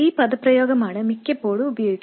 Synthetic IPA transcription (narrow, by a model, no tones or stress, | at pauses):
iːpɐd̪ɐpɾɐjɔːɡɐmaːɽɐmikːepːoːɽuːbɐjoːɡiɡ